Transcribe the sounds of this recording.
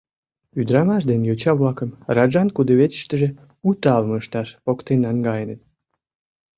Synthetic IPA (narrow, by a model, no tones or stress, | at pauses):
yd̪ɾɑmɑʃd̪enjot͡ɕɑβlɑkəmrɑʒɑnkud̪əβet̪ə̥ʃt̪əʒe | ut̪ɑlməʃt̪ɑʃpokt̪enɑnɡɑjənət̪̚